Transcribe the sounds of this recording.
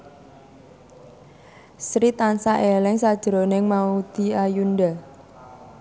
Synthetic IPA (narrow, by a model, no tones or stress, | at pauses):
sɾit̪ansaʔelɪŋsad̥ʒ̥əɾonɪŋmaud̪̥i̤ajunda